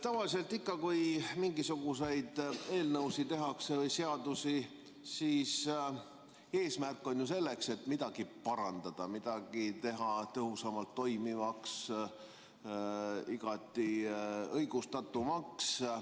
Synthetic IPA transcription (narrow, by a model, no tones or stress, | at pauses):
t̪ɑvɑlise̞lt̪ːˑikːɑkujmiŋɡ̥isuɡ̥use̞jd̪̥e̞ːlnɤwsit̪e̞ɦɑksevɤjse̞ɑd̪̥usi | siːs | e̞ːsmærkːˑo̞nʲjuse̞lːe̞kse̞t̪ːmid̪̥ɑɡ̥ipɑɾɑnd̪̥ɑd̪̥ɑmid̪̥ɑɡ̥it̪e̞ɦɑt̪ɤɦusɑmɑlt̪ːo̞jmivɑks | iɡ̥ɑt̪ːˑiɤjɡ̥ust̪ɑt̪ːˑumɑks